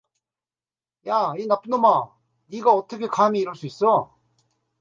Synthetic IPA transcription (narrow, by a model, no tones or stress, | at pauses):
jainap͈ɯnoma | iɡaʌt͈ʌkʰe̞kamiːɾɯɭs͈uis͈ʌ